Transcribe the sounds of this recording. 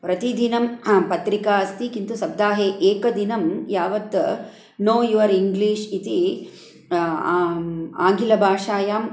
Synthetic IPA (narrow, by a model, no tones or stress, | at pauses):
pɾɐt̪id̪ʱinɐmpɐt̪ɾikaːɐst̪ikint̪usɐb̚d̪aːɦeːʔeːkɐd̪inɐmjaːʋɐt̪ | noːiʋɐɾiŋɡliːʂit̪i | a̰ːŋɡʱilɐbʱaːʂaːjaːm